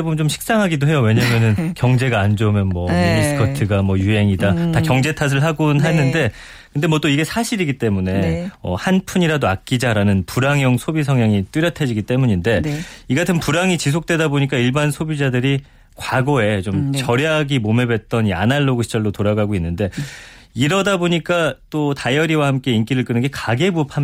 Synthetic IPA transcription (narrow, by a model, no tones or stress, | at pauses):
bomnt͡ɕomɕʰi̥k̚s͈aŋɦaɡidoɦe̞jowe̞ɲamjʌnɯnkjʌŋd͡ʑe̞ɡaːnd͡ʑomjʌnmwʌiɾisɯ̥kʰʌtʰɯɡamwʌjuɦe̞ŋidatakjʌŋd͡ʑe̞tʰas̬ʰɯɭɦaɡonɦanɯnde̞ | kɯnde̞mwʌt͈oiɡe̞sʰaɕʰiɾiɡit͈e̞mune̞ʌ̰hanpʰuɲiɾadoak̚k͈id͡ʑaɾanɯnpuɾaŋjʌŋsʰobisʰʌŋjaŋit͈uɾjʌtʰed͡ʑiɡit͈e̞muɲinde̞iɡatʰɯnpuɾaŋit͡ɕis̬ʰok̚t͈we̞daboɲik͈aiɭbansʰobid͡ʑadɯɾi | kwaɡoe̞t͡ɕomt͡ɕʌɾjaɡimome̞be̞t̚t͈ʌna̰naɭːoɡuɕʰi̥d͡ʑʌɭdotoɾaɡaɡoinːɯnde̞ | iɾʌdaboɲik͈at͈otajʌɾiwahamk͈e̞ink͈iɾɯɭk͈ɯnɯnɡe̞kaɡe̞bupʰam